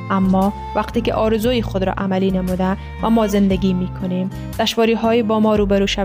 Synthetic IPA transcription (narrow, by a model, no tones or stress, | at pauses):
ʔæmːɒː | væqt̪iːkḛʔɒːɾezuːjixod̪ɾɒ̰ːʔæmæliːnemuːd̪æ | væmɒːzend̪eɡʲiːmiːkʰoniːm | d̪̥æʃvɒːɾiːɦɒːjibɒːmɒːɾuːbeɾuːʃæ